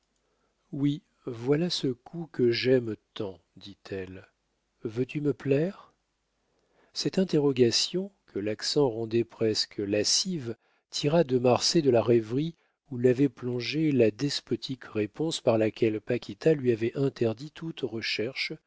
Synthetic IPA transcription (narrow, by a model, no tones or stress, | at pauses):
wi | vwalasəkʰukəʒɛmt̪ɑ̃ | d̪it̪ʰɛl | vøt̪yməplɛʁ | sɛt̪ɛ̃t̪eʁɔɡasjɔ̃kʰəlaksɑ̃ʁɑ̃d̪ɛpχɛskʰəlasiv | t̪ʰiʁad̪əmaʁsed̪əlaʁɛvʁi | ulavɛplɔ̃ʒelad̪ɛspɔt̪ʰikʁepɔ̃spaʁlakʲɛlpakʲit̪alɥiavɛʔɛ̃t̪ɛʁd̪it̪ʰut̪ʁəʃɛʁʃ